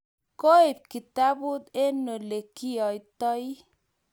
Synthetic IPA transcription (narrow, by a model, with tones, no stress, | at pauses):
ko˦i˨p̚ki˨t̪a˦bu˦t̪e˦no˨le˨kːi˦jɔ˨jt̪ɔ˦j